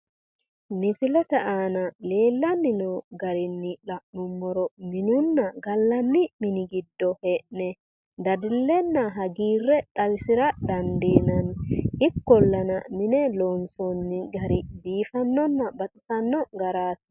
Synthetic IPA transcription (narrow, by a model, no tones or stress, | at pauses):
mɪsɪlɛt̪ɛʔaːnɐle̞ːlːɐnːɪnɔɡɐɾɪnːɪlɐʔnʊmːɔɾɔmɪnʊnːɐɡɐlːɐnːɪmɪnɪɡɪd̪ːɔhɛʔnɛ | d̪ɐd̪ɪlːɛnːɐɦɐɡiːrːɛt̪ʼɐwɪsɪɾɐd̪ɐnd̪iːnɐnhɪkːɔlːɐnɐmɪnɛlɔnsɔnːɪɡɐɾɪbiːfɐnːɔnːɐbɐt͡sʼɪsɐnːɔɡɐɾaːt̪